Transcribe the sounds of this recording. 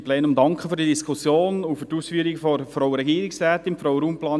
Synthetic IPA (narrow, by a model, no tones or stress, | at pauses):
plɛːnʊmd̪ɑŋkχəfyɾdiədiskʰʊsjoːnʊfyɾtuːsfyːɾiɡfɔfɾɔwəɾɛɡiːɾɪksræːtɪmfɾɔwəɾuːmplɑːn